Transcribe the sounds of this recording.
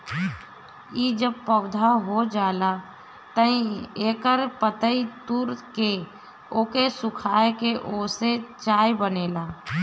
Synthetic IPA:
iːd͡ʒəb̚pəwd̪ʱaɦod͡ʒaːla | t̪əĩeːkəɾpət̪əit̪uːɾke | oːkesʊkʰaːekeʔoːset͡ʃaːjbəneːlaː

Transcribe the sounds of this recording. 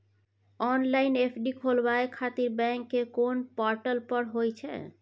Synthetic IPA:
ɔnlainepʰɖikʰolbaekʰat̪iɾbɛ̃ŋkːekonpɔɾʈəlpəɾɦojt͡ʃʰɛ̰

